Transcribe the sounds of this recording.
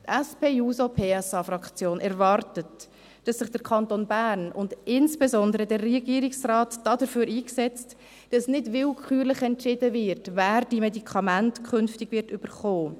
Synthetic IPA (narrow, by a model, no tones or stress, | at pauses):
tɛspʰeːuːsopʰeːɛsɑfɾɑkt͡sjoːnʔɛɾvɑɾtət | d̥ɑsːɪχd̥əkʰɑntonbæːɾnʊndɪnsb̥ɛsɔndəɾədɛrːiɡiːɾɪksrɑːtd̥ɑːdəɾfyːɾiːksɛt͡st | d̥ɑsnɪdvɪlkʰχyːɾləχɛntʃɪdəvɪɾtvæːɾd̥imɛdikʰɑmæntkʰχʏnftɪɡvɪɾtʏb̥əɾχoː